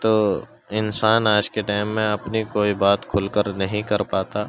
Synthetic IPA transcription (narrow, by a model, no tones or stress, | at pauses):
t̪oː | ɪnsaːnaːd͡ʒkeʈɛːmːẽɐpnikoːibaːt̪kʰʊlkəɾnɐɦĩkɐɾpaːt̪aː